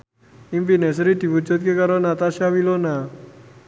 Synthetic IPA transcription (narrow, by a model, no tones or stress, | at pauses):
imfines̬ɾid̪̥i̤wud̥d͡ʒṳt̪̚kekaɾonat̪aʃjawilona